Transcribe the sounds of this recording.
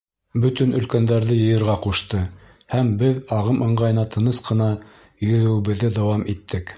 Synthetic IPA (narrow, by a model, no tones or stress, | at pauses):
bɵt̪ɵnɵ̆lkænd̪æɾðɘjɤ̆jɤ̆ɾʁɑquʃt̪ɤ | hæmbɘðɑʁɤmʔɤ̆ɴʁɑjɤ̆nɑt̪ʰɤ̆nɤsqɤ̆nɑ | jɵ̆ðɘ̆wɘβɘ̆ðːɘd̪ɑwɑmit̪ʰːɘk